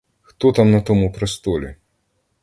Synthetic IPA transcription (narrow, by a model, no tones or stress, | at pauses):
xt̪ɔt̪amnɐt̪ɔmupɾest̪ɔlʲḭ